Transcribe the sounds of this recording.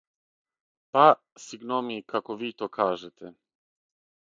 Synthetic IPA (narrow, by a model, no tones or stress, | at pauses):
pa | siɡnɔmikʰakɔvit̪okʰaːʒɛt̪ʰɛ